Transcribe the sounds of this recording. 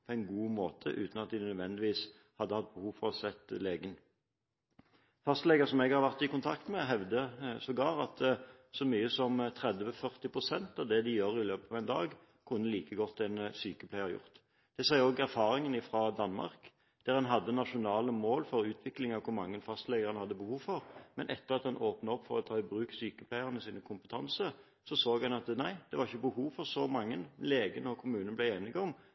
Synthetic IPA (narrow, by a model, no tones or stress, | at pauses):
pʰɔɛɪnɡuːmoːt̪ʰə̰ʔʉ̰ːt̪nɑt̪̚d̪ɪnœd̪ʋɛnd̪ɪʋiːs | hɑd̪ːəhɑt̪̚bəhuːʋfɔʁɔsɛt̪ːleːɡən | fɑst̪lɛɡəsɔmɛɡhɑʁʋæʁt̪ɪkʊnt̪ʰɑkt̪mɛɦɛʋd̪əsɔɡɑːʁɑt̪ | sɔmyːəsɔmt̪ʰʁɛd̪ʋəfœʁt̪ɪpʁʊsɛnt̪ɑʋd̪ɛd̪ɪjøːʁɪløːpɑʋɛɪnd̪ɑ̰ːɡ | kʰʊnːəliːkəɡɔt̪ːɛnsyːkəplæɪhɑɾjʊ̰ʁt̪ | d̪̥ɛsæɪoːɡæʁfɑːɾɪŋənɪfʁɑd̪ɑnmɑ̰ʁk | d̪̥æːʁɑnɦɑd̪ːənɑʂʊnɑːləmoːlfɔɾʉːt̪ʰʋɪklɪŋɑʋkʰʊɾmɑŋːənfɑst̪lɛɡəʁɑnhɑd̪ːəbəhuːʋfɔʁmɛnʔɛt̪ːəʁɑt̪hɑnoːpnəɔpːfɔʁɔt̪ʰɑːɪbɾʉːksyːkəpʰlæɪəʁənəsiːnəkʰʊmpət̪ʰɑnsə | sɔsoːɡhɑnɑt̪næɪd̪̥ɛʋɑʁɪçəbəhuːʋfɔʁsɔmɑŋːənleːɡənəɔkʰʊmʉːnənəblæɪeːnɪɡɔm